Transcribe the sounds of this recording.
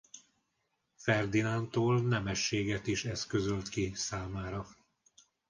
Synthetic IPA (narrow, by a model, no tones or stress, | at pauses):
fɛrd̪inant̪oːlnɛmɛʃːeːɡɛt̪iʃɛskøzølt̪kisaːmaːɾɒ